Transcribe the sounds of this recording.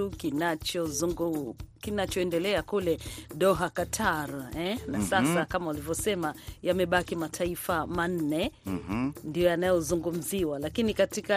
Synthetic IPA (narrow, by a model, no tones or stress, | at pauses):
ukinat͡ʃɔ | kinat͡ʃɔɛndɛlɛakulɛɗɔɦakatʰaɾɛnasasakamaulivjɔsɛmajamɛɓakimatʰaifaman̩nɛ | ndijɔjanajɔzuŋɡum̩ziwalakinikatika